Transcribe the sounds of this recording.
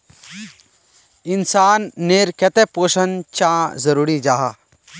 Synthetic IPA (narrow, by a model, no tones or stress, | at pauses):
insaːnːeːɾkɛt̪epoːʃənt͡ʃãzəɾuːɾid͡ʒaːɦaː